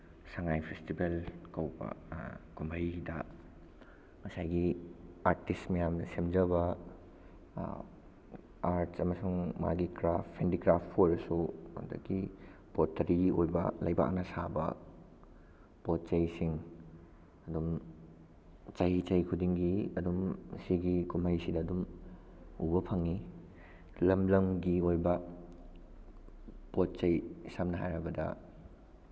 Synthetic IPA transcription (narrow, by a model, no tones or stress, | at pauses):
saŋajpʰestibelkɐwbɐ̰kumbʱɐjdɐ̰ | mɐsajɡiaɾtistmɐjamnɐsemd͡ʒɐbɐ | aɾtsɐmɐsuŋma̰ɡikɾapʰːendiɡɾapʰːojɾsṵŋdɐ̰ɡipotːɐɾiojbɐ̰lɐjba̰k̚nɐsabɐ̰ | pot̚t͡ʃɐjsiŋ | ɐdum | t͡ʃɐjit͡ʃɐjkʰudiŋɡiɐdumsiɡikumajsidɐːdum | ubɐpʰɐŋi | lɐmlɐmɡiojbɐ | pot̚t͡ʃɐjsɐmnɐɦa̰jɾɐbɐdɐ̰